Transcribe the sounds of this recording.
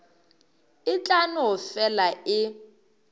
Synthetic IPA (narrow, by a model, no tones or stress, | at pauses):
ɪt͡ɬʼanʊʊfɛlaɪ